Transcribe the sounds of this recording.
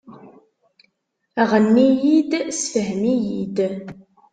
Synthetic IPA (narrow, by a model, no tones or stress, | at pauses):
æʁənːijid̪sfəɦmijid̪